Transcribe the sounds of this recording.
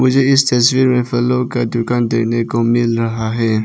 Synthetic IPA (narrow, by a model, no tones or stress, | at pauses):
mʊd͡ʒʱeɪst̪ɐs̬wiːɾmẽfəlokad̪ʊkaːnd̪eːnekomɪlɾɐɦaɦɛː